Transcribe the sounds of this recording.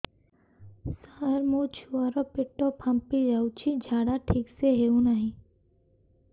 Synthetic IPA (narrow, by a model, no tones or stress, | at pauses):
saɾmot͡ʃʰuaɾɔpɪʈːopʰãmpid͡ʒaːut͡ʃʰid͡ʒʱaːɽaʈʰiːkseɦeũnaɦĩ